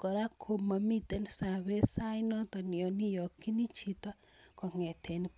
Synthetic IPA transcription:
kɔ˨ɾa˦kʰo˨ma˨mi˦te˦nsa˨βe˦sa˦jnɔ˦tɔ˨njɔ˨ni˦jɔ˨ki˦ni˦t͡ʃi˦ta˦ | kɔ˨ŋɛ˨tʰe˨ni

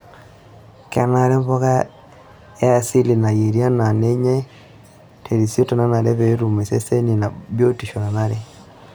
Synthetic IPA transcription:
ka˨na˨ɾe˦mbo˦ɣa˦ | e˦a˨si˦li˨na˨je˨ɾi˦a˦na˨ne˦ɲe˦ | tʰe˨ɾi˨si˦o˦to˨na˦na˨ɾe˦βe˦ɾu˨me˨se˦se˦ni˨na˨βjo˦ti˨ʃo˨na˨na˦ɾe˦

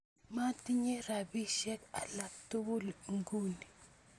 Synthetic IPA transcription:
ma˦ti˦ɲe˦ɾa˨bi˦ʃɛ˦ka˨la˨k̚tu˦wu˦lŋɡu˦ni˨

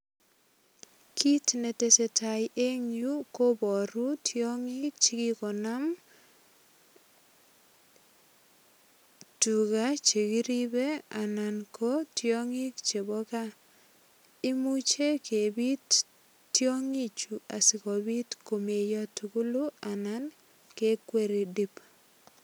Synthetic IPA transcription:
kʰi˦tne˨te˨se˨ta˨jʔe˦ŋju˦ko˦bɔ˨ɾu˦tʰjɔ˦ŋi˦k̚t͡ʃi˦ki˦kɔ˨na˦m | tu˨ka˦t͡ʃe˨ki˦ɾi˦be˦a˨na˨nkʰo˦tjɔ˦ŋi˦kt͡ʃe˨bɔ˦ka˦ | ɪ˦mu˦t͡ʃe˦ke˨bi˦t | tːjo˦ŋi˦t͡ʃu˨a˨sɪ˨kɔ˨bi˦tko˨me˨jɔ˦tu˨ku˦lu˦a˨na˦n | ke˦kwe˦ɾi˨di˦p

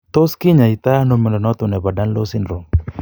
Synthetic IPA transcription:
t̪o˦skɪ˦ɲa˨i˨t̪a˦no˦mɛ˨nɔ˨nɔ˦t̪ʊ˨nɛ˨ba˨da˦nlo˦sɪ˦nɾo˨ŋ

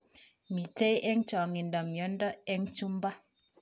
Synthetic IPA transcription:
mi˨te˦jʔɛ˦ŋt͡ʃɔ˨ŋi˨ndɔ˨mjɔ˨˦ndɔ˦ɛ˦ŋt͡ʃu˦mba˦

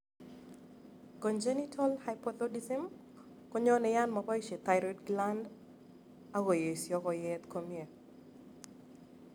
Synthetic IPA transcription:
kɔ˨nd͡ʒe˦ni˦tʰɔ˦lhajpɔt̪ɔ˦disi˦m | kɔ˦ɲɔ˦nɛ˨ja˦nmɔ˨pɔ˦iʃe˨t̪a˨ɪɾɔdɡla˦nd | a˦wo˨je˨i˨sjɔ˦kɔ˨jɛt̪ko˦mie˨

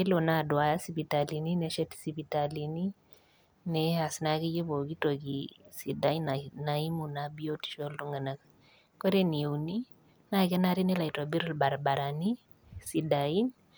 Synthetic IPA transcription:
e˦lona˦dwa˨ja˦sipitalini˦nɛʃɛ˦tsipitalini | nɛa˨sna˦kɪ˦je˦βo˨ki˦to˨kisi˨da˦i˦nana˨i˦munabio˦ti̥˨ʃɔ˦luŋɡa˨naka | kɔ˦ɾe˦ni˨e˨wni | na˦kɛ˦na˦ɾi˦nɛ˦la˨ita˨bi˦ɾɔ˦lba˨ɾba˨ɾani | sidai˦n

